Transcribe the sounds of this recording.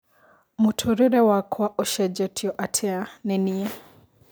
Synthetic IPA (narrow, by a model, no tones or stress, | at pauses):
mutʰuɾiɾɛwakʰwaʔɔʃɛd͡ʒɛtʰiɔʔatʰɛanɛnia